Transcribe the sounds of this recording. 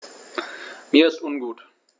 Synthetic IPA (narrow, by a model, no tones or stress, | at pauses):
miːɐɪstʊnɡuːt